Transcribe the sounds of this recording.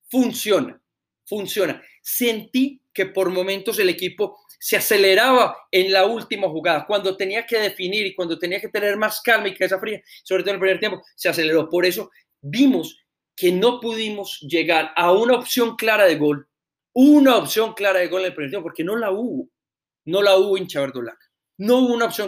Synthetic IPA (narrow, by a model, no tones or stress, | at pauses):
funsjo̞na | funsjo̞na | se̞nt̪ike̞po̞ɾmo̞mẽnt̪o̞s̬e̞lekipo̞ | se̞ase̞le̞ɾaβae̞nlault̪imaxuɣaðakwand̪ot̪e̞niake̞ð̞e̞finiɾikwand̪o̞t̪e̞niake̞t̪e̞ne̞ɾmaskalmaikees̬afɾiaisoβɾet̪olpɾimeɾt̪jempo̞seas̬e̞le̞ɾo̞po̞ɾe̞s̬o̞ | bimo̞s | ke̞no̞puðimo̞sd͡ʒe̞ɣaɾaunaopsjo̞ŋklaɾaðe̞ɣo̞l | unaopsjo̞ŋklaɾað̞e̞ɣo̞lenelpɾieɾt̪jepopoɾke̞no̞lauβo̞ | no̞lauβo̞int͡ʃaβeɾd̪ola̰ka | no̞uβounaopsjoŋ